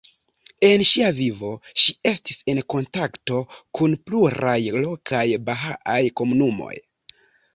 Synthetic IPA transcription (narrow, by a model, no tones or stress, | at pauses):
e̞nʃiavivo̞ʃie̞stise̞nko̞ntakto̞kunpluɾajlo̞kʰajbaɦaʔajko̞munumo̞̰j